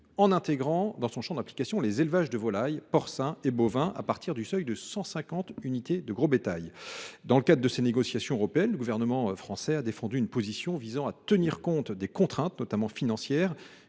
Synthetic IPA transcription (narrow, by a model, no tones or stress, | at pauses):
ɑ̃nɛ̃t̪eɡʁɑ̃d̪ɑ̃sɔ̃ʃɑ̃d̪aplikasjɔ̃lezelvaʒd̪əvɔlajpɔʁsɛ̃ebovɛ̃ʔa̰paʁt̪iʁd̪ysœjd̪əsɑ̃sɛ̃kɑ̃t̪ynit̪ed̪əɡʁobet̪ajd̪ɑ̃ləkad̪ʁəd̪əseneɡɔsjasjɔ̃øʁɔpeɛnləɡuvɛʁnəmɑ̃fχɑ̃sɛad̪efɑ̃d̪yːnpozisjɔ̃vizɑ̃at̪əniʁkɔ̃t̪d̪ekɔ̃t̪χɛ̃t̪nɔt̪amɑ̃finɑ̃sjɛːʁ